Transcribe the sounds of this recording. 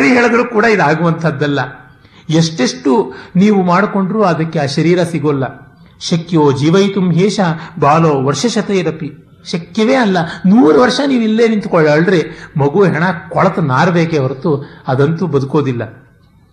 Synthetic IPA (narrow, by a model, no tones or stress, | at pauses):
ɾiɦɛːɭɐɡ̪ɐɭukuːɽɐid̪aːɡuʋɐnt̪ʰɐd̪ːɐlːɐ | eʂʈeʂʈuniːʋumaːɽkoɳɖɾuːɐd̪ɐkːeaːʃɐɾiːɾɐsiɡolːɐ | ʃɐkjoːd͡ʒiːʋɐjt̪umɦeːʃɐbaːloːʋɐɾʂɐʃɐt̪ejiɾɐpi | ʃɐkjɐʋeːɐlːɐnuːɾɐʋɐɾʂɐniːʋilːeːnint̪ukɔɭːɐːɭɖɾemɐɡuɦɛɳɐkɔɭɐt̪ɐnaːɾɐbeːkeʋɐɾt̪uɐd̪ɐnt̪ubɐd̪uko̞ːd̪ilːɐ